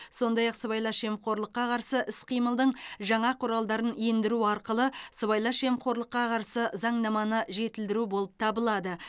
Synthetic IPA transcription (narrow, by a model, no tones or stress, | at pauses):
so̞nd̪ɑjɑqsəβɑjlˠɑʃe̞mqʰo̞ɾlˠəqːɑqʰɑɾsəʔɪsqʰijməlˠd̪əɴʒɑɴɑqʰʊɾɑlˠd̪ɑɾənjend̪ɪɾuɑɾqəlˠəsəβɑjlˠɑʃe̞mqʰo̞ɾlˠəqːɑqʰɑɾsəzɑɴnɑmɑnəʒe̞t̪ɪld̪ɪɾubo̞lˠəp̚t̪ʰɑbəlˠɑd̪ə